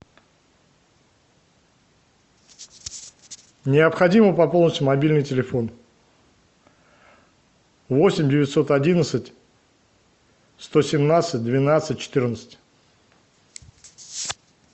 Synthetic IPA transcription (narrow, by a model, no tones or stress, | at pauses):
nʲɪəpxɐdʲiməpɐpolˠnəsʲtʲʊmɐbʲilʲnɨjtʲɪlʲɪfo̞n | vo̞sʲɪmʲdʲɪvʲɪtʲso̞t̪ɐdʲinət̪sətʲ | st̪o̞sʲɪmnat̪sɨt̚ʲd̪vʲɪnat̪sɨt̚ʲt͡ɕːɪ̥t̪ɨrʲnət̪sə̥tʲ